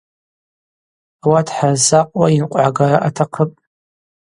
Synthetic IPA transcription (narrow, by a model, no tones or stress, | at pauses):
awatʰħarzaqʼwainqʷʼʕaɡaɾaʔatʰaqʰəpʼ